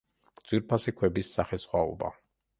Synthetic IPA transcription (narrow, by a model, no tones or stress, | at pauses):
d̪z̥wiɾpʰasikʰwɛbisːaχɛsχwaɔ̰ba̰